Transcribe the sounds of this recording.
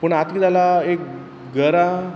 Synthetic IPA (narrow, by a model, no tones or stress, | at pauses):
pəɳat̪kit̪alaek̚ | ɡəɾa